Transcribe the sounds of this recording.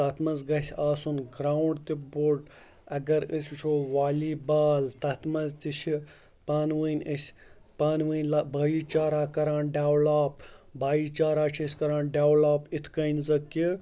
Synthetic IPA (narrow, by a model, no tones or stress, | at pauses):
t̪ɐt̪ʰmɐzɡɐsʲaːsunɡɾaːwuɳɖt̪iboʈ | ɐɡɐɾəsʲt͡ʃʰoːʋaːliːbaːlt̪ɐt̪ʰmɐzt̪it͡ʃʰi | paːnʋɨnʲəsʲ | paːnʋɨnʲlabɐːjit͡ʃaːɾaːkɐɾãːnɖaːwlaːpbaːjit͡ʃaːɾaːt͡ʃʰisʲkɐɾãːnɖaːwlaːpit̪ʰkɐjnzɐki